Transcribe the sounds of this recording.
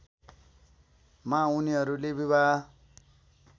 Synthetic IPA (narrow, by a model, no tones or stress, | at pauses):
mauniɦʌɾulebiβʱa